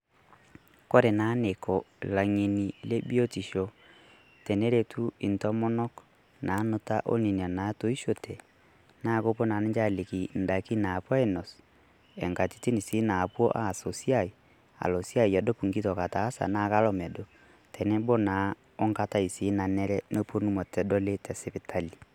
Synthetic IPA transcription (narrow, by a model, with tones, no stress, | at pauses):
ko˦ɾe˨na˨˦ne˨kɔ˨la˨ŋe˨ni˨le˦bi˦o˦ti˨ʃɔ˨ | tɛ˨nɛ˦ɾe˨tʰu˦i˨ntɔ˦mɔ˦nɔ˦k | na˨˦no˨ta̰˦ʔo̰˦ni˨ni˨a˨na˨˦to˦i˦ʃo˨tʰɛ˨ | na˦ko˦po˦na˨ne˦nd͡ʒa˦˨le˨ki˨n̩˨da˨ki˦na˨pwɔ˦ɛ˦˨nɔ˨s | ɛ˨ŋka˨ti˨ti˦ni˨si˨˦na˨pwɔ̰˦ʔa˦˨so˨si˦a˦˨i˨ | a̰˨lɔ˨sja˦˨i˨a˨do˦pu˨ŋɡi˦tɔ˨ka˨taː˨˦sa̰˨na˦ka˦lɔ˦˨mɛ˨do˨ | tɛ˨nɛ˦bo˦na˨˦ | o˦ŋka˦ta˦i˨si˨˦na˨nɛ˦ɾɛ˦no˦po˦nu˦mɔ˨tɛ˨dɔ˦le˦tɛ˨sɛ˨pe˨tʰa˦li˨